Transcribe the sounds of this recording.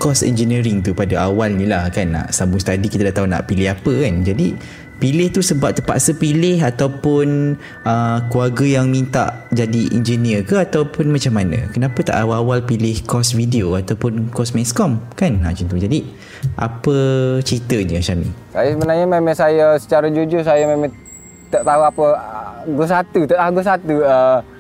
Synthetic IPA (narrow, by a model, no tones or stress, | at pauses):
kɔsɛ̰nd͡ʒəniɾiŋt̪upadaawalnĩlahkanːa̰ʔsamusə̥t̪adikit̪adaʔt̪aɦuna̰ʔpilɪɦapəkand͡ʒadi | pilɪht̪usəbap̚t̪əpa̰ʔsəpilɪɦat̪awpʊn | əkuarɡəjaŋmĩnt̪a̰ʔd͡ʒadiʔḭnd͡ʒəniəkəat̪awpʊnmat͡ʃamːanə̰̃kənãpət̪a̰ʔaawalpilɪhkɔsvideoat̪awpʊnkɔsmɛskɔmkanːa̰ʔt͡ʃənt̪ud͡ʒadi | ʔa̰pət͡ʃit̪əɲəʃamḭsajasəbənarɲamemãŋsajasə̥t͡ʃaɾad͡ʒud͡ʒʊsajamemã | t̪əʔt̪aɦuapəɡosat̪ut̪əʔaɡosat̪uə